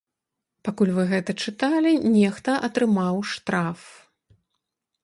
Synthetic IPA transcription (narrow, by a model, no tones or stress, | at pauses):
pakulʲvɨɣɛt̪ɐt͡ʂɨt̪alʲinʲɛxt̪ɐʔɐt̪ɾɨmawʂt̪ɾaf